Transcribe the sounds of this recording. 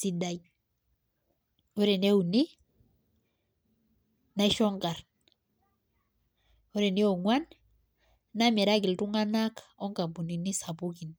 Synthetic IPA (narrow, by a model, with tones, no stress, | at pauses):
si˨da˨j | ɔ˦ɾɛ˨ne˦u˨ni˦ | na˦i˦ʃɔ˦ŋɡa˨r | ɔ˦ɾɛ˨ni˦ɔ˨ŋwa˦n | na˦mɛ˨ɾa˦ɡ̬i˨ltu˦ŋa˦na˦kɔ˦ŋɡa˨bu˨ni˨ni˦sa˨bu˦ki˨n